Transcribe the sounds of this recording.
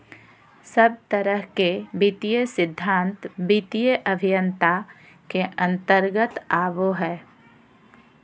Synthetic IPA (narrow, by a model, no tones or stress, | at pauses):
səb̚t̪əɾəɦkebit̪ijəsɪd̪ʱːãːnt̪bit̪ijəʔəbʱijə̃nt̪a | keʔə̃nt̪əɾɡət̪aːʋoɦɛː